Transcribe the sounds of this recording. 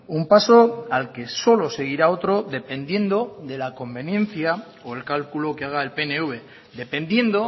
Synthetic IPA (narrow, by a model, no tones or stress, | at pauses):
umpaso̞alke̞so̞lo̞se̞ɣ̞iɾao̞t̪ɾo̞ðe̞pe̞nd̪je̞nd̪o̞ðe̞lako̞mbe̞nje̞n̟θja | oe̞lkalkulo̞keaɣ̞aelpe̞neuβe̞ | ðe̞pẽ̞nd̪je̞nd̪o